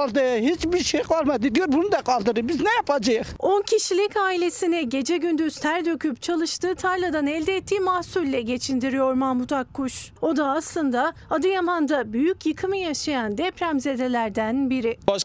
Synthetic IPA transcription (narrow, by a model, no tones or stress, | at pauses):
aɾd̪aɦit͡ʃbiɾʃejkvaɾmad̪id̪ijoɾbunud̪akʰalˠd̪ɯɾɯbiznɛjapʰad͡ʒajɯχo̞ncʰiʃilʲicaːilʲe̞sinɛɟe̞d͡ʒɛɟynd̪yz̥t̪ʰæɾd̪ø̞cʰyp̚t͡ʃʰalˠɯʃt̪ɯːt̪ʰaɾlʲˠad̪anɛlʲd̪ɛːt̪ːiːmahsulʲːɛɟe̞t͡ʃʰind̪iɾijo̞ɾmamut̪ʰakʰːuʃo̞d̪aːslˠɯnd̪aad̪ɯjamand̪abyjycjɯkʰɯmɯjaʃajand̪ɛpʰɾæmze̞d̪e̞lʲæɾd̪ænbiɾɪbaʃ